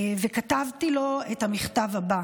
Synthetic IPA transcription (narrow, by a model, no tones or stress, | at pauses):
vekatavtilo̞ethamiχtavaba